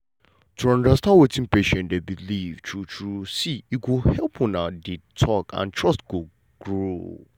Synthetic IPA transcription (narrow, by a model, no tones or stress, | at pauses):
tʰuɔ̃ndastãnwetĩnpeʃɛ̃ndebilivt͡ʃʰut͡ʃɾusiikohɛlpʰɔ̃nãditʰɔkʰã̰ntʰɹɔstɡo | ɡ̥ɾo